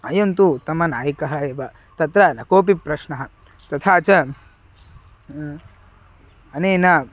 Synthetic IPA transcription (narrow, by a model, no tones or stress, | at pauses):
ɐjɐnt̪ut̪ɐmɐnaːjɐkɐɦɐeːʋɐ | t̪ɐt̪ɾɐnɐkoːp̬ipɾɐʃnɐɦɐ | t̪ɐt̪ʰaːt͡ʃɐ | ɐneːnɐ